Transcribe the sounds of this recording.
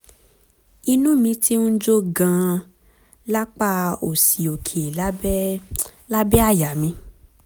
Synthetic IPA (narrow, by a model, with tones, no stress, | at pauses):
i˧nũ˦mĩ˧ti˦n̩˦d͡ʒo˦ɡã˧ | la˦k͡pa˦˧o˨si˨o˨kʰi˨la˦ɛ˦la˦bɛ˦a˦˨ja˨mĩ˧˦